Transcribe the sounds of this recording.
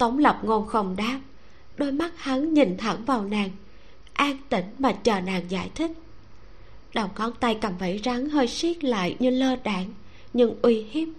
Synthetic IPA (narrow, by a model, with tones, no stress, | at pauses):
t̪ə˨˦wŋ͡mlə˨˩p̚ŋo˧˩ŋ͡mxə˨˩wŋ͡mɗaː˧m̚ | ɗo˧jma˦˥t̚ha˨˦ŋɲi˨˩nt̪ʰə˧˩ŋvaː˨˩wnaː˨˩ŋ | ʔaː˧ŋt̪ï˧˩ŋ̟maː˨˩t͡ɕəː˨˩naː˨˩ŋzaː˧˥jt̪ʰï˦˥k̚ | ɗə˨˩wŋ͡mŋɔ˨˦˥nt̪a˧jkaː˧˩mvə˧˩jza˨˦ŋɦəː˧jsi˦˥k̚la̰ː˧˨jɲɨ˧ləː˧ɗaː˧˩ŋ | ɲɨ̰˧ŋʔwi˧hi˦˥m̚